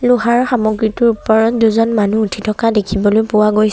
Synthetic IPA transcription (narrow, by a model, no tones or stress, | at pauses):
luɦaɹxamɔɡɹitʊɹuppɔɹɔt̚duzɔnmanuːtʰitʰɔkadekʰibɔlojpʊwaɡojs